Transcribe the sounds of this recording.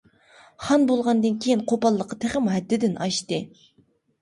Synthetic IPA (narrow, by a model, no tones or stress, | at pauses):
χɑnbolˠʁɑnd̪ɨnkʲʰejinqʰopɑlˠːəqʰːɑt̪ʰeχɪmɦɛd̪ːɪd̪ɪnʔɑʃt̪ɨ